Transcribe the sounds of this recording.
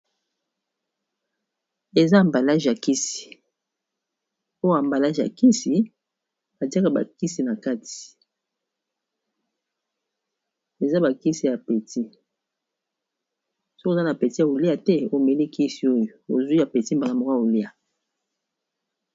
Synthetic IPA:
e˨za˦˨mba˨la˦ʒa˨ki˦si̥˨ | o˦ja˨mba˨la˦ʒa̰˨ki˦si˨ | a˨ti˦a˦ka˨ba̰˨ki˦si˨na˨ka˦tʰi̥˨ | e˨za˦ba˨ki˦si˨ja˨pe˨ti˦ | so˦kza˦na˨pe˨ti˦a˨o˨li˦a˨tɛ˦o˦˨me˨li˦ki˦si˨o˦jo˨o̰˨zi˦a˨pe˨ti˦m˨ba˨na˨mo˨ka˨o˨li˦a˨

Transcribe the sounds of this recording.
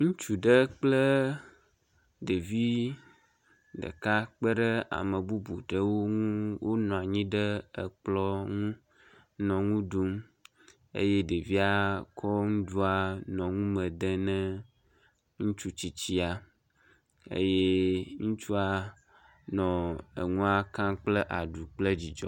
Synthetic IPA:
ŋũ˦t͡ʃu˨ɖə˦k͡plə˦ | ɖe˨vi˦ | ɖə̰˨ka˦k͡pə˦ɖə˦a̰˨mə̃˨bu˦bu˨ɖə˦wo˦ŋũ˦wo˦nɔ̃˨a˨ɲĩ˦ɖə˦ə˨k͡plɔ˦ŋũ˦ | nɔ̃˨ŋũ˦ɖu˦m | ḛ˦je˦ɖe˨vi˦a˦kʰɔ˦ŋũ˦ɖu˦a˨nɔ̃˨ŋũ˦mɛ̃˨d̪ɛ˦nɛ̃˦ | ŋũ˦t͡ʃu˦t͡ɕi˨t͡ɕi˦a˨ | ḛ˦je˦ŋũ˦t͡ʃu˦a˨ | nɔ̃˨ə̰˨ŋũ˦a˦kã˦k͡ple˦ʔa˨ɖu˨k͡ple˦d͡ʑi˨d͡ʒɔ̰˦

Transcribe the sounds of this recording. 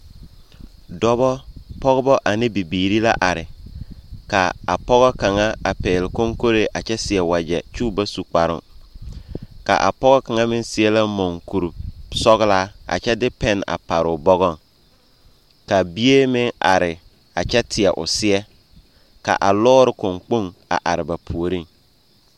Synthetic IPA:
dɔ˦bɔ˦pɔ˦ɣʊ˦bɔ˦ʔa˨nɪ˦bi˨biː˨ɾi˦la˦ʔa˨ɾɪ˨ | ka̰˨a˨pɔ˦ɣɔ˦ka˨ŋa˦a˨peː˨lɪ˨ko˦ŋko˦ɾe˦ʔa˨t͡ʃɛ˦sɪ˨ɛ˨wa˨d͡ʒɛ˨t͡ʃuː˦˨ba˦su˨k͡pa˨ɾʊ̰˦ŋ | ka̰˨ʔa̰˨pɔ˦ɣɔ˦ka˨ŋa˦mɪ˦n˦sɪ˦ɛ˦la˦mɔ˨ŋku˨ɾsɔ˦ɣɪ˦la˦a̰˨t͡ʃɛ˦dɪ˦pɛ˦n˨a̰˨pa˨ɾʊ˨bɔ˦ɣɔ˦˨ŋ | ka˨bi˦e˦mɪ˦ŋa˨ɾɪ˨ | a˨t͡ʃɛ˦tʰɪ˨ɛ˨ʔʊ̰˨sɪ˦ɛ˦ | ka̰˨ʔa˨lɔː˦ɾɪ˨kʊ˨ŋk͡po˦ŋa̰˨ʔa˨ɾɪ˨ba˨pʰu˨o˨ɾi˦ŋ

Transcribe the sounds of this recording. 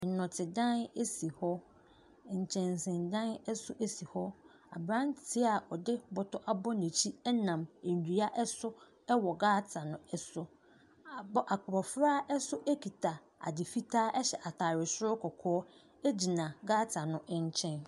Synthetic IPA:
n̩˨nʊ̃˨tʰɪ˨dã˦ne˦si˨hɔ˦˨ | ɲ̩˨t͡ɕʰɛ̃˨nsɪ̃˨ndã˦nɛ˦sʊ˦ʔe˦si˨hɔ˦ | a̰˨bɾã˦ntʰi˦a˨ɔ˨dɪ˦bɔ˨tɔ˦ʔa˦bɔ˦nẽ˨t͡ɕʰi˦ɛ˦nã˨m˨n˨di˨a˦ʔɛ˦sʊ˦ | ɛ˦wɔ˨ɡaː˦tʰa˨nʊ̃˦ɛ˦sʊ˦˨ | bɔ˦ʔa˨kʰʊ˨bɔ˨fɾaː˦ɛ˦sʊ˦ʔɛ˦kʰi˨tʰa˨ | a̰˨dɪ˨fi˦tʰaː˦ʔɛ˦ɕɛ˨ʔa˨tʰa˨ɾɪ˨sʊ˦ɾʊ˦kʰɔ˨kʰɔː˦ | e˦d͡ʑi˨nã˨ɡaː˦tʰa˨nʊ̃˦ʔɲ˦t͡ɕʰɛ̃˦n

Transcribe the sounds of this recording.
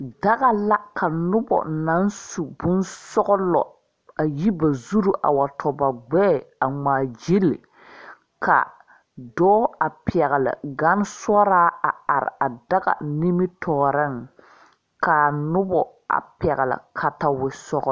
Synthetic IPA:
da˦ɣa˨la˦kʰa˨nʊ˦bɔ̰˨na˦nsu˨bʊ˦nsɔ˦ɣɔ˦lɔ˨ | a˨ji˦ba˨zu˦ɾu˨ʔa̰˨wa˨tʰɔ˨ba˨ɡ͡bɛː˦a˨ŋ͡maː˨d͡ʒi˦lḭ˨ | kʰa̰˨ | dɔː˦a˨pɛ˨ɣɛ˨lɪ̰˨ɡa˦n˦sɔ˦ɾaː˦a˨a˨ɾɪ̰˨a˨da˦ɣa̰˨ni˦mi˦tʰɔː˨ɾɛ˦ŋ | ka˨nʊ˦bɔ˨ | a̰˨pɛ˨ɣɛ˨lɪ̰˨kʰa˨ta˨wɪ˨sɔ˦ɣ

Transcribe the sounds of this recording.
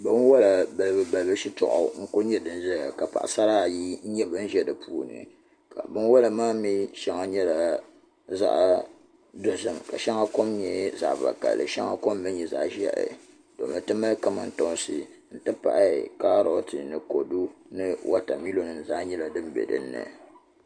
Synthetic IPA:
bɨ˦n˦wa˦la˨ba˨lbɨ˨ba˨lbɨ˦ʃi˦tɔ̰˨ʔɔ̰˨ŋ̩˦ko˦ɲɛ˦dɨ˦n˦ʒɛ˦ja˨ka˨pa̰˨ʔa˨sa˦ɾa˦˨ji˦ɲɛ˦bɨ˦n̩˦ʒɛ˦dɨ˨puː˦˨nɨ̰˨ | ka˨bɨ˦n˦wa˦la˨maː˦mi˦ʃɛ˦ŋa˨ɲɛ˦la˨ | za̰˦˨ʔ | do˨zɨ˨mka˨ʃɛ˦ŋa˦ko˦mɲɛ˨za̰˨ʔva̰˨ka̰˨lːɨ̰˨ʃɛ˦ŋa˦ko˦mbɨ˦nɲɛ˨za̰˨ʔʒɛ̰˦ʔɨ̰˨ | do̰˨m˨ɨ˨tɨ˦ma˦lka˦ma˨n̩˦to˦nsɨ˨ | n̩˦tɨ˦pa̰˨ʔa̰˦˨ka˦ɾo˦tɨ˨nɨ˨ko˨du˦nɨ˦wʔa˦ta˨mi˦lo˨nɨ˨n˨za˦ʔɲɛ˦la˨dɨ˦m˦bɛ̰˨dɨ̰˨˦nːɨ̰˨

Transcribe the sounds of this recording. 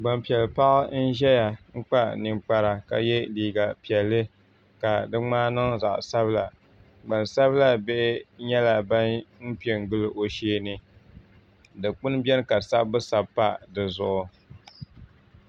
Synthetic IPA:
ɡ͡ba˨mpi˨ɛ˨lpa˦ʔn̩˦ʒɛ˦ja˨ŋ̩˦k͡pa˦ni˨ŋ͡mk͡pa˦ɾa˨ka̰˨jɛ˦liː˨ɡa˨pi˨ɛ˨lːɨ˦ | ka˨dɨ˦ŋ͡maː˦nɨ˦ŋza̰˨ʔsa˦bla˨ | ɡ͡ba˨nsa˦bla˦be˦ʔɪ˦ɲɛ˦la˨ba˦nm̩˦pi˦e˨ŋ˦ɡɨ˦lɨ˦ʔo˨ʃeː˦nɨ˦ | dɨ˨k͡pʊ˦nbɛ˦n˦ka˨sa˦bːɨ˦sa˨bpːa˦dɨ˨zʊ˦ʔʊ˨

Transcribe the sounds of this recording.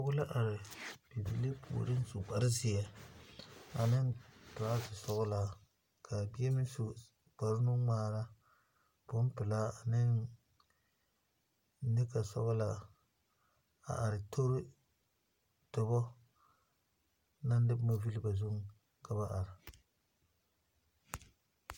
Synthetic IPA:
a˦ɣʊ˦la˦ʔa˨ɾɪ˨b̥i˨bi˨li˦pʰṵ˨ɾɪ˦n˦su˨ɡ͡ba˨ɾɪ˦zɪ˨ɛ˨ | a̰˨nɪ˦ntʊ˨a˦zɪ˨sɔ˦ɣʊ˦la˨ | kʰa˨bi˦ɛ˦mɪ˦su˨ | ɡ͡b̥a˨ɾɪ˦nʊ˦maː˨ɾa˦ | b̥ʊ˦n˦pɪ˨la˦a˨nɪ˦n | nɪ˦ka˨sɔ˦ɣʊ˦la˨ | a̰˨ʔa˨ɾɪ˨tʰo˦ɾɪ˦ | tʊ˨bɔ˦ | na˦n˦dɪ˦mo˨vi˦lba˨zu˦ŋ˦ | kʰa˨ba˦ʔa˨ɾɪ˨

